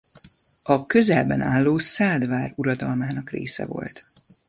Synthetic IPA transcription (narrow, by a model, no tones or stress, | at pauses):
ɒkøzɛlbɛnʔaːlːoːsaːd̪vaːruɾɒd̪ɒlmaːnɒkrḛːsɛ̰vo̞̰lt̪